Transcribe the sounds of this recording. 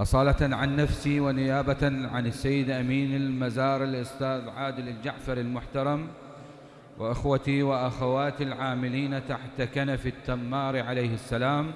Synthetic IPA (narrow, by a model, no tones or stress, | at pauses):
ʔɑsˤɑːlaʕanːafsiwɪnɪjaːbaʕanɪsːajːɪd̪ʔamiːnɪlmazaːɾˤɪlʔʊst̪aːðʕaːd̪ɪlɪld͡ʒaʕfɑɾˤɪlmʊħt̪ɑɾˤɑm | wɪʔɪxwat̪iwɪʔaxawaːt̪ɪlʕaːmɪliːnat̪aħt̪akanafɪt̪ːamːaːɾʕalejhɪsːalaːm